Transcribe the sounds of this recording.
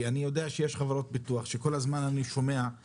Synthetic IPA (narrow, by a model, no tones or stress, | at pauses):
anijo̞deaʃejeʃχavaɾo̞t̚bituaχʃeko̞lazmananiʃo̞me̞a